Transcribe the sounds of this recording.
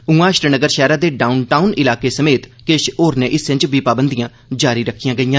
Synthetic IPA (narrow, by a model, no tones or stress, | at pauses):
ʊ̃ːãːʃɾnəɡəɾʃɛːɾaːd̪eːɖaːunʈaːunɪlaːkeːsəmeːt̪keːʃoːɾnẽːʔɪsʋɪ̃ɲd͡ʒbiːpaːbənd̪ijãː | d͡ʒaːɾiːɾəkʰːijãːɡəijãː